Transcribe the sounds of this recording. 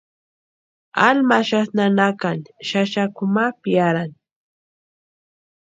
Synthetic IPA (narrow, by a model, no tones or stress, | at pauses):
almaʃasnanakaŋʃaʃakʊmapjjaɾaŋ